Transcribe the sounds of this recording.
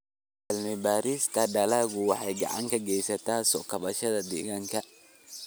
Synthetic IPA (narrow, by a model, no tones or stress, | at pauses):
dɐlmɪbaːɾist̪ʰɐɖɐlaːɣʊwɑħɑjɡɑ̰ʕɑ̰ŋkʰɐɡɛjsɐt̪ʰaːsɔ̰ːkʰɐβɐʃɐðɐd̪ɛ̰ːɣaːŋkʰɐ